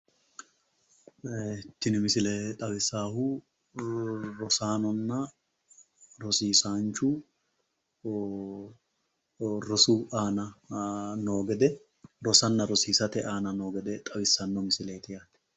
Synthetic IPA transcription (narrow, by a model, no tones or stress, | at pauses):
t̪ːɪnɪmɪsɪlɛt̪ʼɐwɪsaːhu | ɾɔsaːnɔnːɐ | ɾɔsiːsaːnt͡ʃʊ | ɾɔsʊaːnɐ | no̞ːɡɛd̪ɛ | ɾɔsɐnːɐɾɔsiːsɐt̪ɛʔaːnɐno̞ːɡɛd̪ɛt̪ʼɐbɪsːɐnːɔmɪsɪlɛt̪ɪjaːt̪ːɛ̥